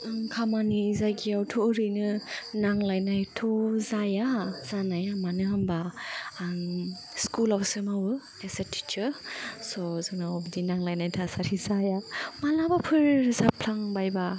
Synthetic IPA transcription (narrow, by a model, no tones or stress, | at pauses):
kʰamanizajɡiawtʰoɾɯjnɯnaŋlajnajtʰɔzajaz̥anajamanɯɦamba | skulawsɯmawɯ | esatʰi̥t͡ʃɯsɔzɯŋnaɔbdinaŋlajnajtʰasaɾizajamalabapʰɯɾzapʰlaŋbajba